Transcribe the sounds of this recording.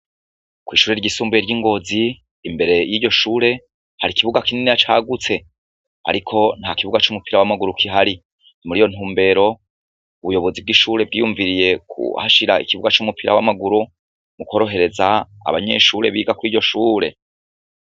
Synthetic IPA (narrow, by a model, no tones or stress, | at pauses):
kwiːʃuːɾe̞ɾɟisuːmbjeɾɟiːŋɡo̞ːziː | mbe̞ɾe̞jiːɟo̞ʃuːɾe̞ | haɾikiβuɡakininijat͡ʃaːɡut͡se̞ | a̰ɾikʰo̞n̥hakiβuɡat͡ʃumupiɾawamaɡuɾukʰiɦaɾi | nimuɾijo̞n̥uːmbe̞ːɾo̞ | uβujo̞βo̞zib̚ɡiʃuːɾe̞b̚ɡijuɱviɾije̞kʰṵha̰ʃiɾaḭkiβuɡat͡ʃumupiɾawamaɡuɾu | muko̞ɾo̞ɦe̞ɾe̞za̰ː | βaɲe̞̰ʃuːɾe̞βiːɡakwiɟo̞ʃuːɾe̞